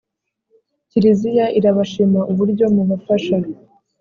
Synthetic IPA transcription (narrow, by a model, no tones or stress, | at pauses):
ciɾizijaʔiɾaβaʃimaʔuβuɾɟo̞muβafaʃaɾi